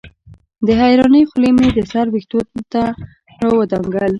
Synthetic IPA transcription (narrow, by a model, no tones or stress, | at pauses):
d̪əɦajɾɑnəjxʊlemed̪əsaɾwext̪ot̪a | əwəd̪ɑŋɡəl